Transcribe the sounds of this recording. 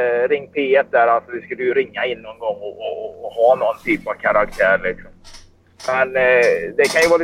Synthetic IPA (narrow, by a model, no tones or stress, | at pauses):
ɾɪŋːp̪ʰɪɛt̪̚d̪æːɾalt̪sɔvɪskɵlːəjɵɾɪŋːaɪnːɔnɡɔŋːɔɔːhɑːnɔnt̪ʰyːpav̥kʰaɾak̚t̪ʰæːɾɭɪksɔm | mɛnd̪ɛkʰanjəvɑːl